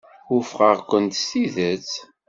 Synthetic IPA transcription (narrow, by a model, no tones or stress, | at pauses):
ufʁəʁkʷənt̪stiðət͡s